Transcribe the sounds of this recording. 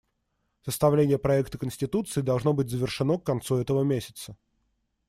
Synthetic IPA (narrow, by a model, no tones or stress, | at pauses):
səst̪ɐvlʲenʲɪjəpɾɐɛkt̪əkənsʲtʲɪt̪ut̪sɨːd̪ɐlˠʐno̞bɨtʲzəvʲɪrʂɨno̞kːɐnt̪suɛt̪əvəmʲesʲɪ̥t̪sə